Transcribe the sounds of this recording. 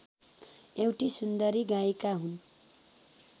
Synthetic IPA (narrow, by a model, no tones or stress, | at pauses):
ewʈisund̪ʌɾiɡaekaɦun